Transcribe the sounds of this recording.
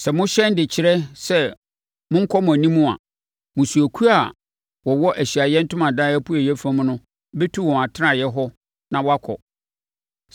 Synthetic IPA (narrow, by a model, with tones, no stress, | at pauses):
sɛ˨mʊ̃˦ɕɛ̃˦n˦dɪ˨t͡ɕʰɪ˨ɾɛ˦sɛ˦ | mʊ̃˦ŋ̩˦kʰɔ˦mʊ̃˨æ˨nĩ˦mũ˦a̰˨ | mʊ̃˨su˨æ˨kʰu˦a˦˨ | wɔ˨wɔ˦ʔæ˨ɕi˨a˨jɛ˦n̩˦tʊ̃˦mã˨daː˦ɛ˦pʰu˦ɛ˨jɛ˦fã˦m̃˦nʊ̃˦ | bɛ˦tʰu˦˨wɔ̃˨a˨tʰɪ˦a˨jɛ˦ɦɔ˦ | nã˨wɔ˦a˦kʰɔ̰˨